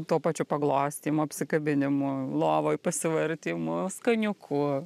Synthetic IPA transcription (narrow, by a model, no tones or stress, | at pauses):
t̪uːpɑːt͡ʃʲʊpɐɡlˠoːsʲt̪ʲiːmʊɐpʲsʲɪkɐbʲɪnʲɪmʊlˠoːʋoːjpɐsʲɪʋɐɾʲt̪ʲiːmʊskɐnʲʊkʰʊ